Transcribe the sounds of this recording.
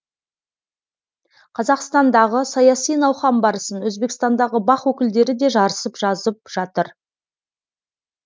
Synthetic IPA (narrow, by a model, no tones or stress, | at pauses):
qʰɑzɑqst̪ɑnd̪ɑʁəsɑjɑsijnɑwχɑmbɑɾəsənwɵzbe̞kst̪ɑnd̪ɑʁəbɑχwɵkʲɪld̪e̞ɾɪd̪e̞ʒɑɾəsəpʒ̥ɑzəp̚ʒ̥ɑt̪əɾ